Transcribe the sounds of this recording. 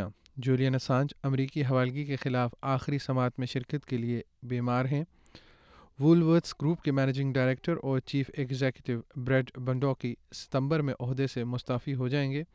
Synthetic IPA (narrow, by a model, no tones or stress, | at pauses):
ã̰ | d͡ʒuːlijanɐsãːɲd͡ʒɐmɾiːkiɦɐʋaːlɡikexɪlaːfaːxɪɾisɐmaːt̪mẽʃɪɾkət̪keliebiːmaːɾɦɛ̃ː | ʋuːlʋəɾʈsɡɾuːpkemɛːned͡ʒɪ̃ŋɡɖaːɾeːk̚ʈəɾɔːɾt͡ʃiːfeɡzeːkjʊʈɪʋbɾɛːɖbɐ̃ɳɖɔːkisɪ̥t̪ə̃mbəɾmẽʔɔɦd̪esemʊst̪aːfiɦod͡ʒaːẽːŋɡeː